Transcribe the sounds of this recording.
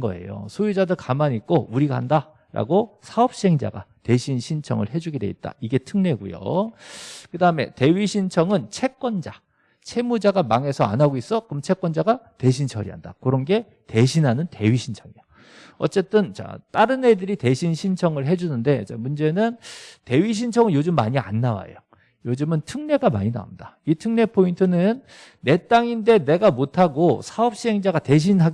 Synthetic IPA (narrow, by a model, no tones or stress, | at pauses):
ɡʌ̰e̞̰jo̰sʰojud͡ʑadɯɭkamaɲik͈ouɾiɡaɦanda | ɾa̰ɡosʰaʌp̚ɕ͈iɦeŋd͡ʑa̰ɡa̰te̞ɕʰinɕʰint͡ɕʰʌ̰ŋɯ̰ɭɦe̞d͡ʑuɡidweit̚t͈a̰iɡe̞tʰɯŋneɡṵjo̰ | kɯdaɯme̞te̞ɥiɕʰint͡ɕʰʌŋɯnt͡ɕʰe̞k͈̚wʌnd͡ʑa | t͡ɕʰe̞mud͡ʑaɡamaŋe̞sʰʌa̰nɦaɡois͈ʌkɯmt͡ɕʰe̞k͈wʌnd͡ʑaɡate̞ɕ̬ʰint͡ɕʰʌɾḭɦa̰nda̰kɯɾʌnɡe̞ | te̞ɕʰinɦanɯnte̞ɥiɕʰint͡ɕʰʌŋijo | ʌ̰t͡ɕ͈e̞t͈ɯnt͡ɕa̰t͈aɾɯne̞dɯɾite̞ɕʰinɕʰint͡ɕʰʌŋɯɭɦe̞d͡ʑunɯnde̞t͡ɕa̰mund͡ʑe̞nɯnte̞ɥiɕ̬ʰint͡ɕʰʌŋɯɭjod͡ʑɯmːaɲia̰nːawa̰jo̰ | jod͡ʑɯmɯntʰɯŋne̞ɡama̰ɲina̰ṵndaitʰɯŋne̞pʰointʰɯnɯnː | e̞t͈aŋinde̞ne̞ɡamotʰaɡosʰaʌp̚ɕ͈iɦeŋd͡ʑaɡate̞ɕ̬ʰinɦa